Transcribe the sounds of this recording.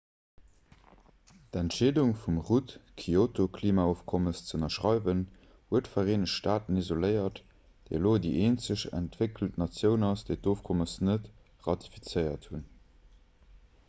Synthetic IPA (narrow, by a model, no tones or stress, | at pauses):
dæntʃeːduŋfumʁutkʰiotokʰliːmaːoːfkʰɔməst͡səənɐʃʁɑɪvən | huətfɐʁeːnəʃtaːtənizoləɪɐt | d̥ḛloːdiʔeːnt͡səɕæ̰ntv̥ekltnɑt͡sjəʊnɑsd̥eɪtoːfkʰɔməsnət | ʁɑti̥fit͡səɪɐthun